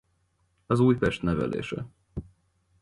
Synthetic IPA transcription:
ɒzuːjpɛʃt̪nɛvɛ̰lḛːʃɛ

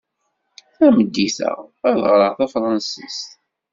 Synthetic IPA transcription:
θæməd̪ːiθə̰ʁæðʁɾəʁθæfɾˤɑnsist̪

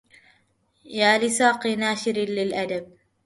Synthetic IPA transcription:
jaːlɪsɑːqɨnaːʃɪɾlɪlʔad̪ab̚

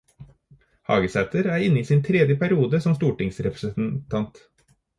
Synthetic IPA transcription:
hɑ̰ːɡəsæt̪əɾæːɾɪnəiːsiːnt̪ʰɾɛd̪jəpʰæɾɪuːd̪əsɔmst̪uːʈɪŋsɾɛpɾəsən̩t̪ʰɑnt̪

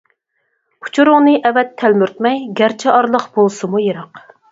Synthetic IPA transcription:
u̥t͡ʃʰuɾʊŋnɨʔɛvɛt̪ʰːælmyɾt̪̚mɛjɡʲæɾt͡ʃʰɛʔɑɾlˠəqb̥olˠsɨmujeɾɑq

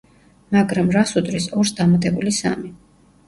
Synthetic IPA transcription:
maɡɾamɾasud̪ɾisɔɾsd̪amat̪ʼɛbulisa̰mi

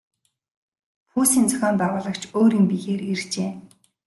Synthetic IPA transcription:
pʰuːsiːnt͡sœ̥xʲɔːmpæːʁʊːɮə̆kt͡ɕʰoːɾiːmpiɣeːɾirt͡ɕeː

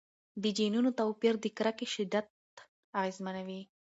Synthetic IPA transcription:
d̪əd͡ʒinunot̪awpiɾd̪əkɾakeʃɪd̪at̪̚ | aɣezmanawi

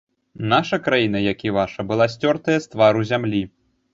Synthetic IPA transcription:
naʂɐkɾajinɐjakʲivaʂɐbɨlˠasʲt͡sʲɔrt̪ɐjɐst̪vaɾuzʲamlʲi

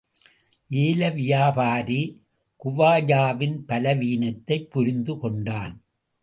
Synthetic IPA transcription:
ʔeːlɐʋɪjaːpaːɾi | kʊʋaːjaːʋɪnpɐlɐʋiːnɐt̪ːɐɪpːʊɾɪnd̪ɯkɔɳɖaːn

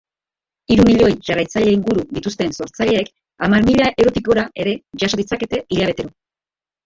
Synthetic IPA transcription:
iɾumiʎo̞jʝarajt͡saʎe̞iŋɡuɾud̪it̪ust̪e̞nso̞ɾt͡saʎe̞ːk | amaɾmiʎaʔewɾo̞t̪iko̞ɾaʔe̞ɾe̞ʝaso̞ðit͡sake̞t̪e̞iʎaβ̞e̞t̪e̞ɾo̞

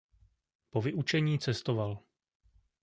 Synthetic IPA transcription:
po̞vɪʔut͡ʃɛɲiːt͡sɛst̪o̞val

